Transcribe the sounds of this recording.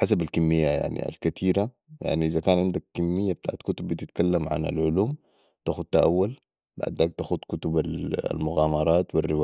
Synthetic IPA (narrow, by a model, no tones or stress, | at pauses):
ħas̬abalkimːijːaja̰ʕnḭa̰lkat̪ʰiːɾa | ja̰ʕniʔizakaːnʕɪnd̪akkːimːijːabit̪a̰ːʕat̪kut̪ubːit̪it̪kalːamʕa̰na̰lʕʊluːm | t̪axud̪̚t̪aʔawːal | ba̰ʕd̪aːk̚t̪axud̪kut̪ubal̰lmʊɣaːmɑɾˤɑːt̪wirːiwaː